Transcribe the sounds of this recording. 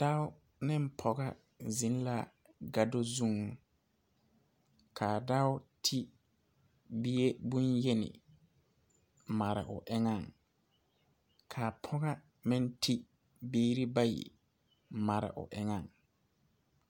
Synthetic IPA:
d̥a˦ʊ˦ | nɪ˦m̩˦pʰɔ˨ɡa˦ | zi˨n˦la˦ | ɡa˨do˦zu˦ŋ˨ | kʰaː˨da˦ʊ˦tʰi˦ | bi˦e˦bu˦nje˦nɪ̰˨ | ma˨ɾɪ̰˨ʔʊ̰˨ʔɪ˦ŋa˦˨ŋ | kʰa˨pʰɔ˦ɣa˦ | mɪ˦n˦tʰi˦ | biː˦ɾi˦ba˦jḭ˨ | ma˨ɾɪ̰˨ʔʊ̰˨ʔɪ˦ŋa˦˨ŋ

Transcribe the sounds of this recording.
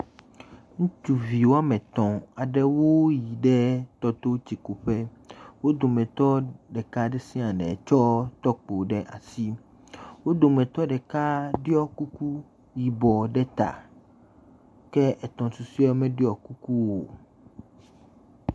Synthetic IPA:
ŋũ˦t͡ʃu˨vi˨wo˦a˦mɛ̃˨t̪ɔ̃˨a˨ɖɛ˦wo˦ji˨ɖɛ˦t̪ɔ˦t̪o˦t͡ɕi˨ko˨ɸɛ˦wo˦d̪o˨mɛ̃˨t̪ɔ˦ɖɛ˨ka˦ɖɛ˦sĩ˦a˨ɖɛ̰˨t͡ʃɔ˦t̪ɔ˦k͡po˨ɖɛ˦ʔa̰˨si˦ | wo˦d̪o˨mɛ̃˨t̪ɔ˦ɖɛ˨ka˦ɖi˦ɔ˦ku˦ku˦ | ji˨bɔ˨ɖɛ˦t̪a̰˨ | kɛ˦ʔɛ˨t̪ɔ̃˨su˨si˦ɔ˦mɛ̃˦ɖi˦ɔ˨ku˦ku˦wo˨

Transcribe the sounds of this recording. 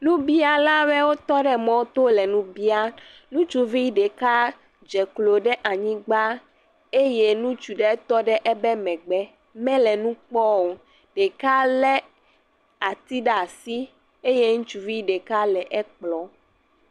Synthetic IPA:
lũ˦bi˦a˨la˦βɛ˦wo˦t̪ɔ˦ɖɛ˦mɔ̃˦t̪o˦lɛ˨nũ˦bi˦a˦ | nũ˦t͡ʃu˦vi˦ɖe˨ka˦ | d͡ʒɛ˨klo˨ɖɛ˦ʔa˨ɲĩ˦ɡ͡ba˦ | e˦je˦nũ˦t͡ʃu˨ɖɛ˦t̪ɔ˦ɖɛ˦ʔɛ˦bɛ˦mɛ̃˨ɡ͡bɛ˦ | mɛ̃˦lɛ˨nũ˦k͡pɔ˦wo˨ | ɖ̥e˨ka˦lɛ˦ | a˨t̪i˦ɖa˨si˦ | e˦je˦ŋũ˦t͡ʃu˨vi˦ɖe˨ka˦lɛ˨ʔɛ˦k͡plɔ˦

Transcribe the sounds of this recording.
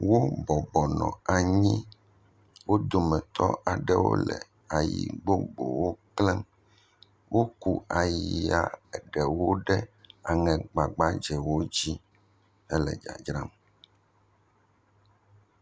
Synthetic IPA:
wo˦bɔ˨bɔ˨nɔ̰̃˨a˨ɲĩ˦ | wo˦d̪o˨mɛ˨t̪ʰɔ˦a˨ɖɛ˦wo̰˦lɛ̰˨ | a˨jḭ˨ɡ͡bo˦ɡ͡bo̰˨wo˦klɛ˦m | wʔo˦ku˦a˨ji˨a˨ɛ˨ɖɛ˨wo˦ɖɛ˦a˨ŋɛ̃˨ɡ͡ba˨ɡ͡ba˦d͡ʒɛ˨wo˦d͡ʑi˦ | ɛ˦lɛ˨d͡ʒa̰˨d͡ʒɾa˦m

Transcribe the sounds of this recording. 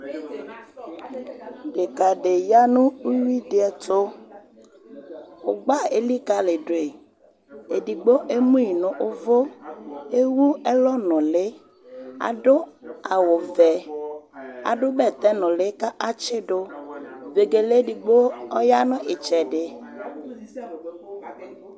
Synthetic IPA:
ɖe˨ka˨ɖe˨ja˦nʊ̃˦u˦wi˦dɪ˦ɛ˨to˦ | ʊ˨ɡ͡ba˦e˨li˦ka˦lɪ˨ɖo˨e˨ | e˨di˨ɡ͡bo˦ʔe˦mũ˦i˨nʊ̃˨ʔʊ˦vo˦e˦wu˦ɛ˦lɔ˦nɔ̃˨lɪ˦ | a̰˨ɖʊ˦a˨wʊ˨vɛ˨ | a̰˨ɖʊ˦bɛ˦˨t̪ɛ˦nʊ̃˨lɪ˦ka˦ʔa˦t͡ʃɪ˦ɖo˦ve˨ɡe˨le˦di˨ɡ͡bo˦ɔ˦ja˦nʊ̃˦ʔɪ˨t͡ʃɛ˨ɖɪ˨

